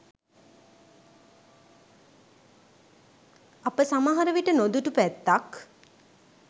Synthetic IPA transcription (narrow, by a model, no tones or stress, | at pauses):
apəsamaɦaɾəʋiʈənod̪uʈupæt̪ːak